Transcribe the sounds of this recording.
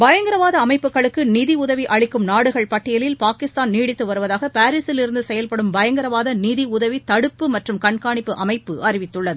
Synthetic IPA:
bɐjɐŋɡɪɾɐʋaːðɐːmɐɪpːɯkːɐɭɯkːɯnɪðiʊðɐʋiʔɐɻɪkːɯmnaːɽɯɣɐɭpɐʈːɪjɐlɪlpaːkɪst̪aːnniːɽɪt̪ːɯʋɐɾɯʋɐðaːɣɐpaːɾiːsɪlɪɾɯnd̪ɯsɛjɐlpɐɽɯmbɐjɐŋɡɪɾɐʋaːðɐniðiʊðɐʋit̪ɐɽɯpːɯmɐʈrɯmkɐɳkaːɳɪpːɯʔɐmɐɪpːɯʔɐrɪʋɪt̪ːɯɭːɐðɯ

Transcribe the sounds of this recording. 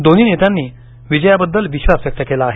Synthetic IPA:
d̪oniːnet̪anːiː | ʋid͡ʑəjabəd̪ːəlʋiɕʋasʋjək̚t̪əkelaːɦe

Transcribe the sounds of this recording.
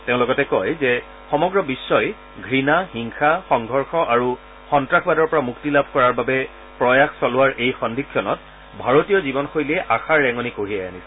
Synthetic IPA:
teʊ̃lɔɡɔtɛkɔjzɛ | xɔmɔɡɹɔbisːɔj | ɡʱɹinahiŋxaxɔŋɡʱɔɹxɔʔaɹu | xɔntɹaxʰbadɔɹpɔɹamuktilabʱkɔɹaɹbabɛ | pɹɔjaxsɔlʊwaɹʔejxɔndʱikʰːjɔnɔt̚ | bʱaɹotijɔzibɔnxojlɛʔaxaɹːɛŋɔnikoɹiajanisɛ

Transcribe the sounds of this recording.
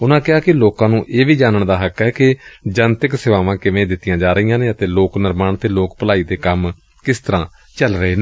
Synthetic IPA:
ʊnãːkɪaːkɪloːkãːnũːʔeːʋiːd͡ʒaːnəɳd̪aːɦəkɛːkɪd͡ʒənt̪ɪksɪʋaːʋãːkɪʋẽːd̪ɪt̪ːɪjãːd͡ʒaːɾəiːjãːneːət̪eːloːknɪɾmaːɳt̪eːloːkpəlaːiːd̪eːkəm | kɪst̪əɾãː | t͡ʃəlɾəɦeːn

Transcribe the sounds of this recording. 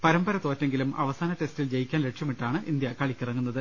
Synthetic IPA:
pɐɾɐmbɐɾɐt̪ːo̞ːtːeŋɡilumʔɐ̰ʋɐsaːnɐte̞stild͡ʑejikʲːaːnle̞ʈʂjɐmiʈːaːɳɨʔind̪jɐkɐɭikʲːirɐŋːunːɐðɨ

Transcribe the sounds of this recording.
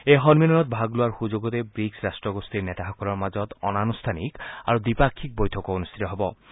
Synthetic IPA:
ejɦɔnminɔnɔt̪̚bʱaɡlʊwaɹxuzoɡɔtebɹiksɹastɹɔɡost̪iɹnɛt̪axɔkɔlɔɹmazɔt̪ɔ̰nanust̪ʰanḭka̰ɹudipakʰːik̚bojtʰɔkɔonust̪ʰit̪ɔɦɔbɔ

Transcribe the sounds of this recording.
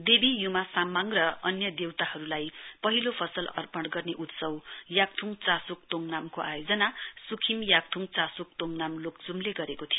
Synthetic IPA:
d̪ebijumasamːaŋrʌʌnjʌd̪ewt̪ahʌɾulajpʌɦilopʰʌsʌlʌ̰rpʌɳɽɡʌrneʔut̪sʌwjak̚t̪ʰuŋt͡sasuk̚t̪oŋnamkoʔajod͡zʌnasukʰimjak̚t̪ʰuŋt͡sasuk̚t̪oŋnamlokd͡zumleɡʌɾekot̪ʰijo

